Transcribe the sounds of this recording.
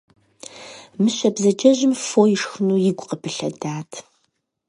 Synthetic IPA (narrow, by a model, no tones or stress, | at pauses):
mɨɕɐbzɐd͡ʒɐʑɪmfoːjɪʂxɨnuːjɪɡʷʼqəpʰɨɬɐ̰daːtʰ